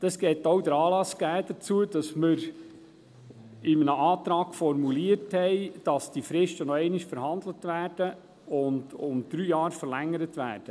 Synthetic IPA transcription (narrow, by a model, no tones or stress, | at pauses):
d̪̥ɑsɡ̥ɛːtowdəɾɑːlɑsɡ̥æːd̥̪ət͡suəd̥ɑsmɪɾ | ɪmənəʔɑːt̪ɾɑːɡ̥fɔrmuliəthɛɪd̥ɑsd̥ifɾɪʃtənɔɛɪnɪʃfəɾhɑnd̪lətʋæːɾd̥ə | ʊndʊmd̪̥ɾyːjɑːɾfərlæŋːəɾətʋæ̰ːɾd̥ə